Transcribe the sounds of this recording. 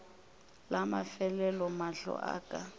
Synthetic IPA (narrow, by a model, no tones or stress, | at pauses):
lamafɛlɛlɔmaɬɔ̰ʔa̰ːkʼa